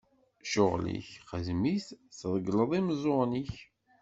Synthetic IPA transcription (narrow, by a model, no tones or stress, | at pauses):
ʃʊʁlḭçχəzmiθθðˤəɡləðˤimzˤoɾniç